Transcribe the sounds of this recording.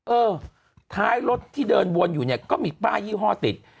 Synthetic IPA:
ʔɤː˧ | t̪ʰaː˦˥jlo˦˥t̪ʰːiː˥˩dɤː˧nwu˧ənjuː˨˩ni˦˥˩ɐkɔː˥˩miː˧kaː˥˩jiː˥˩wɦɔː˥˩t̪i˨˩t̪̚

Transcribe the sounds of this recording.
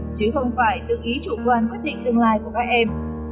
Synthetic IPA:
t͡ɕɨ˨˦xə˧wŋ͡mfaː˧˩jɗɨ˨˩ək̚ʔi˨˦t͡ɕṵ˧˨˩kwaː˨˧˩nkwt̪̚ʰï˧˨ŋ̟t̪ɨ˧əŋlaː˧jku˧˩əkaː˦˥k̚ʔɛ˧m

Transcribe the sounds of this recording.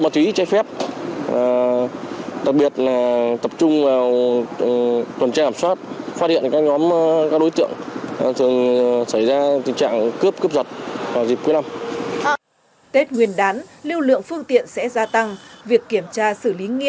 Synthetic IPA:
ɓaː˨˧wt͡ɕi˨˦t͡ɕa˧jfɛ˦˥p̚ː | ɗa˨˩k̚ɓi˨˩ət̚laː˨˩t̪ə˨˩p̚t͡ɕʊ˧ŋ͡mvaː˨˩w | t̪wə˨˩nt͡ɕaː˧kaː˧˩swaː˦˥t̚faː˦˥t̚hḭ˧˨ənkaː˦˥k̚ɲɔ˨˦m˧kaː˦˥ɗo˨˦jt̪ɨ̰˧˨əŋ˨˩t̪ʰɨ˨˩əŋsə˧˩jzaː˧t̪ï˨˩ŋ̟t͡ɕa̰ː˧˨ŋkɨ˦˥əp̚kɨ˦˥p̚zə˨˩t̚vaː˨˩wzi˨˩p̚ku˨˦jna˧m | t̪e˦˥t̚ŋwi˨˩ənɗaː˨˦nli˧əwlɨ̰˧˨əŋfɨ˧əŋt̪ḭ˧˨ənsɛ̰˧˥zaː˧t̪a˧ŋvi˨˩əkːi˧˩əmt͡ɕaː˧sɨ˧˩li˨˦ŋḭ˧ə

